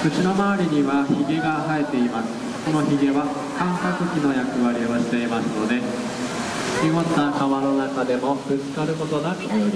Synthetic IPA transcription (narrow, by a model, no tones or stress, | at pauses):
kɯ̟t͡ɕino̞maːɾʲiɲ̟iβaçiɡe̞ɡaɦae̞t̪e̞imasɨ̥ | ko̞no̞çiɡe̞βa | kãŋkakɯ̟kʲino̞jakɯ̟βaɾʲio̞ɕi̥t̪e̞imasɨno̞d̪e̞ | kʲiɡot̪ːakaβano̞nakad̪e̞mo̞b̥ɯ̟t͡sɨ̥kaɾɯ̟ko̞t̪o̞d̪ak̪